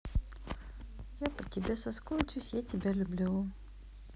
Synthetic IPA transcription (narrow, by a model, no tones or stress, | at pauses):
japətʲɪbʲesɐskotʲʊsʲjatʲɪbʲalʲʊblʲu